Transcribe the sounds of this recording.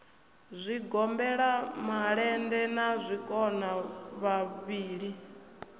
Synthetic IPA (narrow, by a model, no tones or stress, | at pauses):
zʷiɡɔmbɛɺamaɺɛndɛnazʷikʼɔnaβaβiːɺi